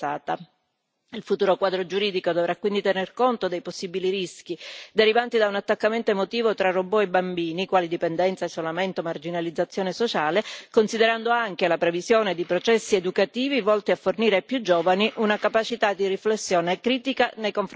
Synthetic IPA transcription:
aːt̪a | ilfut̪uːɾokwaːd̪ɾod͡ʒuɾiːd̪ikod̪ovɾakːwind̪it̪enerkont̪od̪ejposːibiliɾisk̟id̪eɾivant̪id̪aunat̪ːakːament̪oemot̪iːvot̪ɾaroboebambiːnikwaːlid̪ipend̪ɛnt̪saesːolament̪omard͡ʒinalid̪zat̪sːjoːnesot͡ʃaːlekonsid̪eɾand̪oaŋkelapɾevizjoːned̪ipɾot͡ʃɛsːied̪ukat̪iːvivɔlt̪iafːorniːɾepːjud͡ʒoːvaniʔunakapat͡ʃit̪ad̪iriflesːjoːnekɾiːt̪ikanejkoɱf

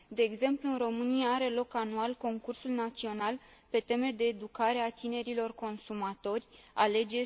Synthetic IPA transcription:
d̪e̞ːɡze̞mpluɨnro̞mɨnijaaɾe̞lo̞kanualko̞ŋkursulnat̪sio̞nalpe̞t̪e̞me̞d̪e̞ːd̪ukaɾe̞at̪ine̞ɾilo̞rko̞nsumat̪o̞rʲale̞d͡ʒe̞

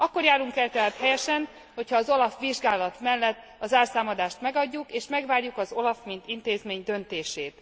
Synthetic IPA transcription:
ɒkːo̞rɾjaːɾuŋkɛlt̪ɛɦaːt̪hɛjɛʃɛn | ho̞chɒːzo̞lɒfʋiʒɡaːlɒt̪mɛlːɛt̪ː | ɒzaːrsaːmɒd̪aːʃt̪mɛɡɒɟːukeːʃmɛɡʋaːrjukɒzo̞lɒfmint̪int̪eːzmeːɲd̪ø̞nt̪eːʃeːt̪

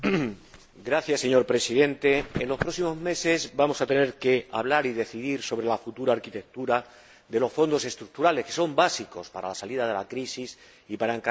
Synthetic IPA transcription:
ɡɾaθjasːe̞ɲo̞ɾpɾe̞siðe̞nt̪e̞ːnlo̞spɾo̞simo̞zme̞se̞zbamo̞sat̪e̞ne̞ɾke̞a̰β̞laɾiðe̞θiðiɾso̞β̞ɾe̞lafut̪uɾaːɾkit̪e̞k̚t̪uɾa | d̪e̞lo̞sfo̞nd̪o̞se̞st̪ɾuk̚t̪uɾale̞hke̞so̞mbasiko̞spaɾa̰lasaliðað̞e̞lakɾisis | ipaɾaeŋk

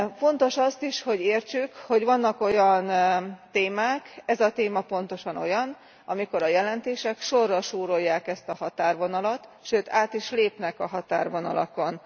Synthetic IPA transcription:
fo̞n̪t̪o̞ʃɒst̪iʃho̞ɟeːrt͡ʃykho̞ɟʋɒnːɒko̞jɒnt̪eːmaːkɛzɒt̪eːmɒpo̞nt̪o̞ʃɒno̞̰jɒn | ɒmiko̞ɾɒjɛlɛnt̪eːʃɛkʃo̞rːɒʃuːɾo̞jːaːkɛst̪ɒhɒt̪aːrʋo̞nɒlɒt̪ʃøːt̪ʰaːt̪iʃleːpnɛkɒɦɒt̪aːrvo̞nɒ̰lɒ̰ko̞n

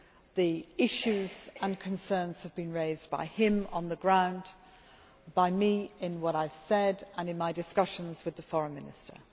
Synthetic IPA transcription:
ðiɪʃʉzə̃nkʰə̃nsɜ̃ːnz̥həvbĩnɹeɪzba̰ɪɪ̃mə̰̃nðəɡɹãʊ̃n | b̥aɪmiɪ̃nwʌɾaɪv̥sɛdə̃nɨ̃nmaɪdɨskʌʃə̃nzwɨðəfɔɹə̃nmɪ̃nɪstə̰˞

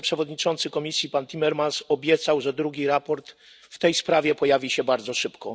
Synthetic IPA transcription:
pʂɛvɔd̪ɲit͡ʂɔnt̪sɘkɔmʲisʲjipant̪ʲimɛɾmansɔbʲjɛt̪sawʐɛd̪ɾuɡʲiɾapɔɾt̪ | ft̪ɛjspɾavʲjɛpɔjavʲiɕɛbaɾd̪zɔʂɘpkɔ

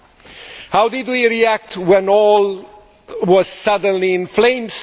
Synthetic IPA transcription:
haʊdɪdwiɹiæk̚twɛ̃nɔl | wʌz̥sʌdə̃nliɪ̃nflẽɪ̃ms

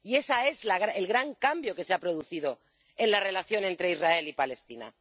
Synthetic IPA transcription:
ie̞sae̞zlaɣɾaelɣɾaŋkambjo̞ke̞seapɾo̞ðuθiðo̞ | e̞nlare̞laθjo̞ne̞nt̪ɾe̞izrae̞lipale̞st̪ina̰

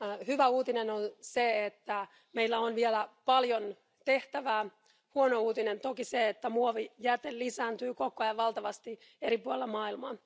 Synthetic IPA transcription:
hyʋæuːt̪inenonseet̪ːæ | meilːæonʋielæpɑljo̞n | t̪e̞ht̪æʋæː | huono̞uːt̪ine̞nt̪okiseet̪ːæmuoʋijæt̪ellisæːnt̪yːko̞koɑjɑʋɑlt̪ɑʋɑst̪i | e̞ɾipuolelːɑmɑːilmɑːn

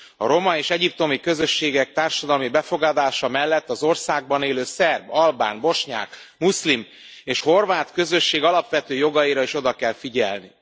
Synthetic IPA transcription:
ɒ̰ɾo̞mɒeːʃɛɟip̚t̪o̞mikø̞zø̞ʃːeːɡɛk̚t̪aːrʃɒd̪ɒlmibɛfo̞ɡɒd̪aːʃɒmɛlːɛt̪ːɒzo̞rsaːɡ̚bɒneːløːsɛrbɒlba̰ːnbo̞ʃɲa̰ːk | muslim | eːʃho̞rvaːt̪kø̞zø̞ʃːeːɡɒlɒpʋɛt̪øːjo̞ɡɒiɾɒiʃo̞d̪ɒkɛlfiɟɛ̰lnḭ

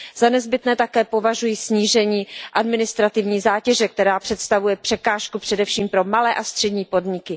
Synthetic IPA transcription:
z̥anɛzbɪt̪nɛːt̪akɛːpo̞vaʒujisɲiːʒɛɲiːʔadmɪnɪst̪ɾat̪ɪvɲiːzaːcɛʒɛk̚t̪ɛɾaːpr̝̥ɛt̪st̪avujɛpr̝̥ɛkaːʃkupr̝̥ɛdɛfʃiːmpɾo̞malɛːʔast̪r̥ɛdɲiːpo̞dɲɪkɪ

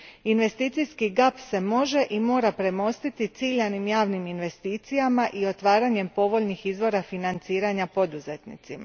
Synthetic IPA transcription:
inʋe̞st̪iːt̪sijskiɡapse̞mo̞ʒe̞ʔimo̞ːɾapɾe̞mo̞st̪it̪it̪siːʎanimjaːʋniminʋe̞st̪iːt̪sijamaʔio̞t̪ʋaːɾaɲe̞mpo̞ʋo̞ʎnixizʋo̞ɾafinant̪siːɾaɲapo̞d̪uze̞t̪nḭt̪sima̰

